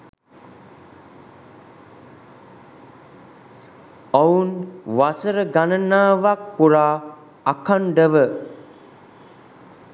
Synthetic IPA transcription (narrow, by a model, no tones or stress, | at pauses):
əunʋasəɾəɡanənaːʋak̚puɾaː | akʰaɳɖəʋə